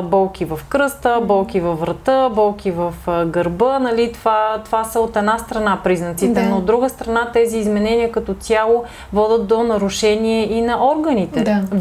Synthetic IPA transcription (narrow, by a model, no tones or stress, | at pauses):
bɔlˠkivɐfkɾɤst̪əbɔlˠk̟ivɐfvɾɐt̪əbɔlˠkʰʲivəfɡəɾbɤnɐlit̪vat̪ovasəot̪ɛd̪ast̪ɾɐnapɾiznət̪sit̪ɛnnoːd̪ːɾuɡəst̪ɾɐnat̪ɛziːzmɛnɛniəkɐt̪ɔsʲjalˠo | vɔd̪ət̪d̪onɐɾʊʃɛniɛʔinɐʔɔɾɡənit̪ɛ